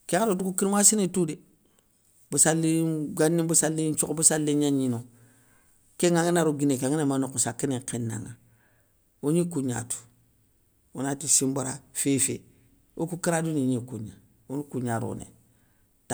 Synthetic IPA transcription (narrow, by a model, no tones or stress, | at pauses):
keŋadotukukimasinetude | busalːiɡanːibusalːint͡ʃukbusalːiɲaɲino | keŋaŋinaɾoɡinekaŋinemanokusakːiniŋkinːa̰ŋa | uɲikuɲa̰tu̥ | ṵnatisimbaɾafefḛ | okukiɾaduniɲikṵɲa | onukuɲaɾo̰nḛ | ta